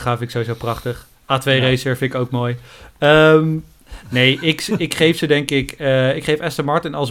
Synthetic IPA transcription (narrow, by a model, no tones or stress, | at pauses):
χaːfɪnɪksowizowprɑχtəχ | aːtʋejrejsəɹfɪnɪkowkmoːjəm | nejʔɪkɪkχejfsədɛŋkɪkəɪkχejfɛstəɹmɑɹtɪnɑlˠs